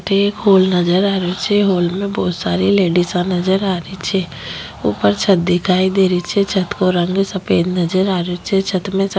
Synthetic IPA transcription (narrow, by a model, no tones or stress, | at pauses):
ʈekɦoːlnəd͡ʒəɾaːɾet͡ʃʰɛɦoːlmẽbɔːt̪saːɾileːɖisãnɐd͡ʒəɾaːɾit͡ʃʰɛ | ṵːpəɾt͡ʃʰət̪̚d̪ɪkʰaːid̪eːɾit͡ʃʰɛt͡ʃʰɐt̪koɾə̃ŋɡsɐpeːd̪nɐd͡ʒəɾaːɾet͡ʃʰɛt͡ʃʰət̪mẽs